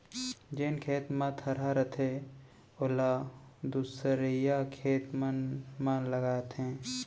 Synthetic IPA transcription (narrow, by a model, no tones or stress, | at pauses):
d͡ʒenkʰeːt̪mãt̪ʰəɾaɾət̪ʰe | olad̪uːsəɾijakʰeːt̪manmanləɡaːt̪ɦɛ̃ː